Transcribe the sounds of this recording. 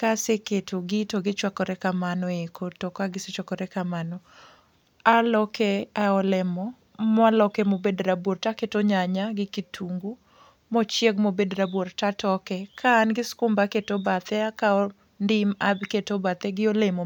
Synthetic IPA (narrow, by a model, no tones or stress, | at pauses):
kaseketʰoɡɪtoɡɪt͡ʃwakɔɾɛkamanɔekʰotɔkaɡɪset͡ʃwakɔɾɛkamanɔ | alɔkʰɛaɔlɛmɔ | malɔkɛmobedɾabwoɾtaketoɲaɲaɡɪkitʰuŋɡu | mɔt͡ʃjeɡmobedɾabwoɾtatɔkɛkʰaːnɡɪskʊmbaketobat̪ɛakaɔ | ndɪmabketobat̪ɛɡɪolemo